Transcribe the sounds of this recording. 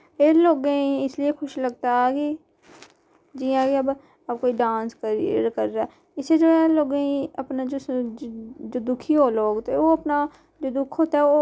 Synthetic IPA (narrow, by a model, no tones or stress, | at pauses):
eːloːɡẽĩɪsliekʰʊʃləɡt̪aɛki | d͡ʒijãːkiəb | əb̚koːiɖãːnskəɾiɾkəɾːaː | ɪsed͡ʒoːɛːloːɡẽĩəpnad͡ʒoː | d͡ʒoːd̪ʊkʰiːɦoːloːɡt̪eoːəpnaː | d͡ʒoːd̪ʊkʰoːt̪aɛo